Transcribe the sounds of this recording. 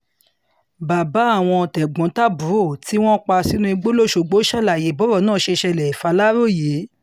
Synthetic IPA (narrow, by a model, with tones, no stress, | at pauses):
ba˨ba˨˦a˦˨w̃ɔ̃˧tɛ˨ɡ͡bɔ̃˨˦ta˦bu˨˦ɾo˦˨ti˦w̃ɔ̃˦k͡pa˧si˦nũ˦i˧ɡ͡bo˦lo˦˨ʃo˧˨ɡ͡bo˨˦ʃa˦˨la˨je˨˦bɔ˨˦ɾɔ˦˨nãː˦˨ʃe˧ʃɛ˧lɛ˨i˨fa˧la˦ɾo˦˨je˨˦